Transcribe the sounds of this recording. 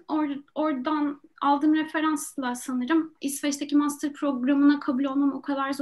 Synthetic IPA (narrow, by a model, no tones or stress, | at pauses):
oɾo̞ɾd̪analˠd̪ɯmɾefe̞ɾanslˠasanɯɾɯmisfɛt͡ʃt̪ʰecimast̪ʰɯɾpʰɾo̞ɡɾamɯnakʰabulʲo̞lˠmamokʰad̪aɾz